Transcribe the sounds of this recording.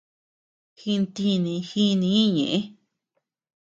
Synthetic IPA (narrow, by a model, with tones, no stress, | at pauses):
xi˧nt̪i˧nĩ˧xi˦˧nĩ˧˦ɲḛ̃˨ʔẽ˦